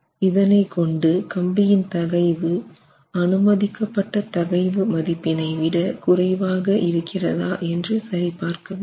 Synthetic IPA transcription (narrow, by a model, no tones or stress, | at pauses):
ɪðɐnɐɪkɔɳɖɯkɐmbɪjɪnt̪ɐɣɐɪʋɯ | ɐnɯmɐðɪkːɐpːɐʈːɐt̪ɐɣɐɪʋɯmɐðɪpːɪnɐɪʋɪɽɐkʊrɐɪʋaːɣɐʔɪɾɯkʰːɪrɐðaːʔɛndrɯsɐɾipaːɾkɐʋ